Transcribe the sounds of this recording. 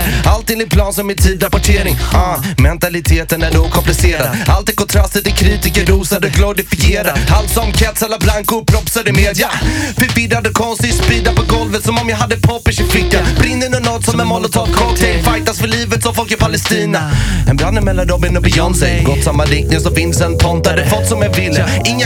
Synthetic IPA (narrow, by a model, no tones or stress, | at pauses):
alt̪ɪŋd̪ɪt̪pʰlɑːnsɔmːɪnt̪ʰiːd̪ɾapɔʈʰeːɾɪŋmɛnt̪alɪt̪ʰeːt̪ənæɖukʰɔmplɪseːɾad̪alt̪ɪkʰɔnt̪ʰɾast̪ət̪ɪlkʰɾiːt̪ɪkəɖuːsad̪ɔɡlɔɾɪfɪeːɾaalt̪sɔmkʰɛt̪sɛlːablaŋkʊpʰɾɔpsad̪əmeːd̪jafəɾbɪd̪ːad̪əkʰɔnst̪ɪspiːd̪apɔɡɔlvət̪sɔmɔmjaɦad̪ːəɛpʰɑːpːəʂɪflɪkːanbɾɪnːənɔnɔt̪sɔmɛmɔlːɔt̪ʰɑːt̪kʰɔlt̪ʰɛŋfajt̪asfœɭiːvət̪sɔmfɔlkɪpʰalɛst̪iːnaɛnbɾanːɛmɛlːand̪ɔmɛnɔbɪjɔnsɛjɡɔt̪ːsamːaɾɪknɪŋsɔvɪnd̪sɛnt̪ʰɔnt̪ad̪ɛfɔt̪ːsɔmɛnvɪlːə | ɪŋː